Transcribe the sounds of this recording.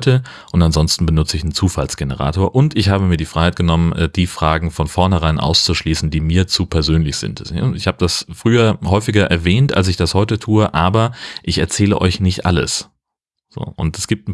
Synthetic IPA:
tə | ʔʊntanzɔnstn̩bənʊt͡səɪçnnt͡suːfalsɡ̥enəʁ̞a̰ːtoːɐʔʊntɪçhaːbəmiːɐdiːfʁaɪhaɪt̚ɡ̥ənɔmənɛːd̥iːfʁ̥aːɡŋ̩fɔnfɔɐnhɛʁ̞aɪnʔa̰ʊst͡suʃliːsn̩diːmiːɐt͡suːpʰɛɐzøːnlɪçz̥ɪ̰ntɪçhaːbəd̥asfʁ̥yːɐhɔʏfɪɡɐʔɛɐvɛːntʔa̰ls̬ɪçd̥ashɔʏtətʰuːəʔaːbɐʔɪçɛɐt͡sɛːləʔɔ̰ʏçnɪçtʔa̰lə̰s | z̥o̰ːʔʊ̰ntɛsɡ̥iːp̚tn̩

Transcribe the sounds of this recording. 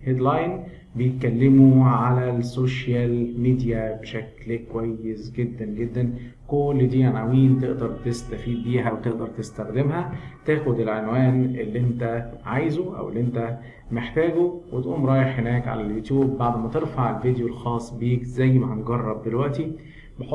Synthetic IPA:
hed̪lɑjn | bejet̪̚kælːemuʕalæsoʃjælmiːd̪jæbeʃæklkowæjːesɡed̪ːænɡed̪ːæn | kolːd̪iːanʕawiːnt̪eʔd̪ɑɾˤt̪est̪æfiːd̪̚biːɦæwet̪eʔd̪ɑɾˤt̪est̪æxd̪emɦæt̪æːxod̪elʕenwæːnʔelːiʔent̪æʕajzuʔæ̰wʔḛlːiʔent̪æ | meħt̪æːɡowet̪ʔuːmɾˤɑːjeħhenæːkʕa̰læljut̪juːbːaʕd̪mæt̪eɾfaʕelved̪jolxɑːsˤːbiːkzæjːmæhænɡɑrˤːɑb̚d̪elwæʔt̪i | beħo

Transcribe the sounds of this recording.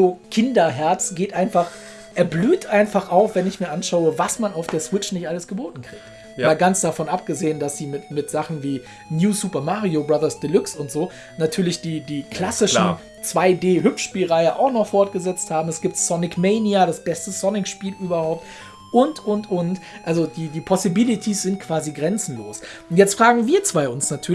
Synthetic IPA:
zoːkʰɪndɐɦɛɐt͡sɡ̥eːtʔaɪnfaχ | ʔɛɐblyːtʔaɪnfaχʔaʊfv̥ɛnɪçmiːɐʔanʃaʊəvasmanaʊfd̥eːɐsw̥ɪt͡ʃnɪçtʔaləsɡ̥əboːtn̩kʁ̥iːkt | aːlɡant͡ssd̥afɔnʔap̚ɡ̥əzeːəndasz̥iːmɪtmɪtz̥aχn̩viː | njuːsuːpɐmaːʁiobʁaðɐsd̥əlʏksʊntz̥oː | natʰyːɐlɪçd̥iːdiːkʰl̥asɪʃn | t͡sv̥aɪdeːɦʏpʃʃpiːlʁaɪəʔa̰ʊxnɔχfɔɐt̚ɡ̥əzɛt͡sthaːbm̩asɡ̥iːp̚tsɔnɪkmeɪniadasb̥ɛstəsɔnɪkʃpiːlʔyːbɐhaʊp̚t | ʔʊntʔʊntʔʊntʔalzod̥iːdiːpʰɔsibɪlitʰisz̥ɪntkʰv̥aːziɡʁɛnt͡sn̩lo̰ːsʊntjɛt͡stfʁ̥aːɡŋ̩viːɐt͡sv̥aɪʊnsnatʰyːɐ

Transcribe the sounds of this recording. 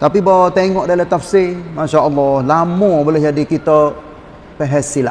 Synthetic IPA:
t̪apibat̪eŋɔʔdalət̪afsimaʃaʔɔlːɔhlamɔbolɛhd͡ʒadikit̪ə | pəɦɛsila

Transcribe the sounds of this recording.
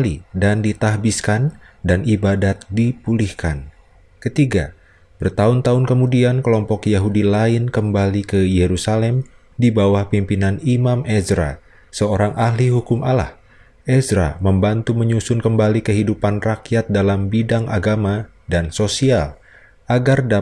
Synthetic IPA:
lidandit̪aɦbiskan | danibadat̪̚dipulihkan | kət̪iɡa̰ | b̥ərt̪aʊnt̪aʊnkəmudiankəlɔmpɔkjaɦudilaɪnkəmbalikəjeɾusalɛm | dibawahpimpinanimamʔɛzɾa̰ | səoɾaŋʔaɦliɦukʊmʔala̰h | ʔɛzɾaməmbant̪uməɲusʊnkəmbalikəɦidupanrakjat̪̚dalambidaŋʔaɡama | dansosial | ʔaɡarda

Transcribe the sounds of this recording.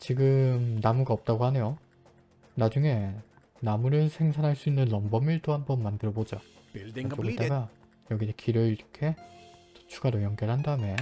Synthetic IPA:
t͡ɕiɡɯmnamuɡaʌp̚t͈aɡohanejo | nad͡ʑuŋe̞ | namuɾɯɭsʰe̞ŋsʰanɦaɭs͈uinːɯnːʌmbʌmiɭtoɦambʌnmandɯɾʌbod͡ʑoat͡ɕoɯit͈aɡa | jʌɡikʰiɾɯiɾʌkʰe̞to̥t͡ɕʰuɡaɾojʌŋɡjʌɭɦandame

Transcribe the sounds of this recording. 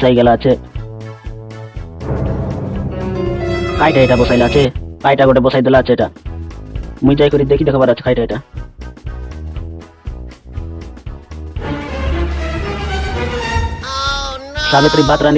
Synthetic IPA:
sajɡɛlat͡ʃʰe | kʰajʈaeʈabɔsajlaːt͡ʃʰekajʈaɡɔʈebɔsajd̪ɔlaːt͡ʃʰeʈa | muid͡ʒajkɔɾid̪ekʰid̪ekʰɔbaɾat͡ʃʰe̥kʰajʈaeʈa | sabet̪ɾibat̪ɾan

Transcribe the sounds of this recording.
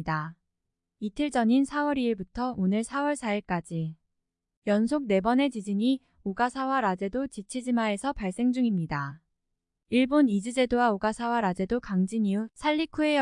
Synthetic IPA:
da | itʰɯɭd͡ʑʌɲinsʰawʌɾiiɭbutʰʌonɯɭsʰawʌɭsʰaiɭk͈ad͡ʑi | jʌnsʰok̚ne̞bʌne̞d͡ʑid͡ʑiɲi | oɡasʰawaɾad͡ʑe̞dot͡ɕit͡ɕʰid͡ʑimae̞sʰʌpaɭs͈e̞ŋd͡ʑuŋimɲida | iɭbonid͡ʑɯd͡ʑe̞dowaoɡasʰawaɾad͡ʑe̞dokaŋd͡ʑiɲiusʰaʎːikʰue̞j

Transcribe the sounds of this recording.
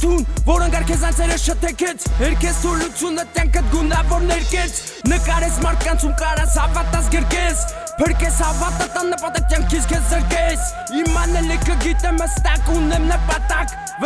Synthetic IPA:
t̪ʰunvɔɾəŋkɑɾkʰɛt͡sɑnt͡sʰɛɾɛɾʃət̪ʰɛkʰɛt͡sʰɦɛɾkʰɛst̪ʰuɾlut͡sʰjunət̪jaŋkʰət̪̚ɡunavɔɾnɛɾkɛt͡sʰ | nəkɑɾɛt͡sʰmɑɾt̪̚ʰkɑnt͡sʰumkɑɾat͡sʰɑvɑt̪at͡sɡəɾkɛt͡sʰ | pʰəɾkɛsɑvɑt̪at̪anːəpɑt̪ɑk̚t̪jaŋkʰit͡skʰɛsəɾkɛt͡s | imɑnɛlikʰəɡit̪ɛmhəst̪ɑkunɛmnəpɑt̪ak

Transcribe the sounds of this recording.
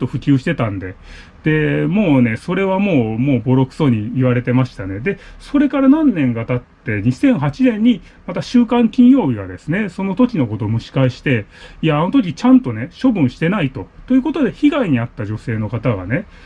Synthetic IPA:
t̪ːo̞ɸɯ̟kʲɨːɕi̥t̪e̞t̪ãnd̪e̞ | d̪̥e̞mo̞ːne̞so̞ɾe̞βamo̞ːmo̞ːbo̞ɾo̞kɯ̥so̞ɲ̟iːβaɾe̞t̪e̞maɕi̥t̪ane̞d̪e̞so̞ɾe̞kaɾanãnːẽ̞ŋɡat̪at̪ːe̞ɲ̟isẽ̞ɰ̃ɦat͡ɕinẽ̞ɲ̟ːi | mat̪aɕɨːkãŋkʲĩɰ̃jo̞ːbʲiɡa̰d̪e̞sɨne̞so̞no̞t̪o̞kʲino̞ko̞t̪o̞ːmɯ̟ɕi̥kaiɕi̥t̪e̞iaːno̞t̪o̞k̬ʲit͡ɕãnt̪o̞ne̞ɕo̞bɯ̟̃ɰ̃ɕi̥t̪e̞nait̪o̞t̪ojɯ̟ko̞t̪o̞d̪e̞çiɡaiɲ̟iat̪ːad͡ʑo̞se̞ːno̞kat̪aɡa̰ne̞

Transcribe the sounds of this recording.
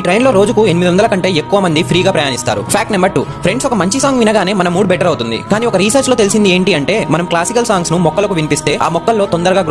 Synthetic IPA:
iːʈɾɐjnlo̞ːɾo̞ːd͡ʒukue̞nimid̪ond̪ɐlɐkɐɳʈe̞ːekːuʋɐmɐnd̪ipʰɾiːɡaːpɾɐjaːnist̪a̰ːɾṵpʰaːk̚ʈnɐmbɐɾʈṵːpʰɾe̞ɳɖsɔkɐmɐɲt͡ʃisaːŋɡʋinɐɡaːne̞ːmɐnɐmːuːɽbɛʈɐɾɐwt̪und̪ḭkaːniːɔkɐɾiːsɐɾt͡ʃloːt̪e̞lisind̪ie̞ːɳʈiɐɳʈe̞ːmɐnɐmklaːsikɐlsaːŋɡsnumɔkːɐlɐkuʋinipist̪e̞ːʔa̰ːmɔkːɐlːo̞ːt̪ond̪ɐɾɐɡaːɡɾ

